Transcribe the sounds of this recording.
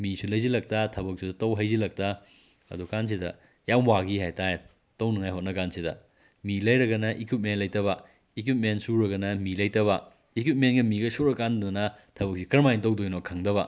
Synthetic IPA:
misulɐjzilɐk̚tɐtʰɐbɐk̚sudɐtɐwɦɐjzilɐk̚tɐ | ɐ̰dukans̬idɐ̰ | jawwaɡihajtaje | tɐwnɐŋajɦot̚nɐkansidɐ̰ | milɐjɾɐɡɐnɐʔikit̚menlɐjtɐbɐ | ik̬wit̚mensuɾɐɡɐnɐmilɐjtɐβɐ | ikwit̚menɡɐmiɡɐsuɾɐkːandunɐnɐtʰɐbɐk̚sikɐɾmajntɐwdojnokʰaŋdɐβɐ

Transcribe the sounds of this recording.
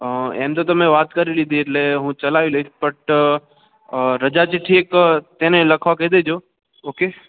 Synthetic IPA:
ḛːmt̪ot̪̬ɐmẽʋaːt̪kəɾilid̪ʱitleɦũt͡ʃɐlaːʋiləispəʈ | ɾəd͡ʒat͡ʃiʈʰiːkt̪ẽnẽlɐkʰʋakeːd̪ed͡ʒo | oːke

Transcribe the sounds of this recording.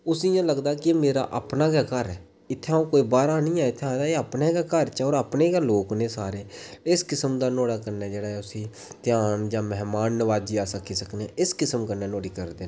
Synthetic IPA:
ʊsiːjãːləɡd̪aːkɪmeːɾa̰ːʔapnaːɡaːkəɾɛː | ɪt̪ʰːãːõːkoːiːbaːɾaːnĩːaːɪt̪ʰːeãːd̪aːeəpneːɡaːkəɾt͡ʃɔːɾaːpneːɡaːloːknẽːsaːɾeːɪskɪsəmd̪aːnoːɽaːkəɾnɛːd͡ʒeːɽaːɛʊsĩː | t̪ɪjaːnd͡ʒãːmɛɦmaːnːəʋaːd͡ʒiːaːsəkʰːiːsəkneɛ̃ːɪskɪsəmkəɾnɛːnoːɽiːkəɾd̪eː

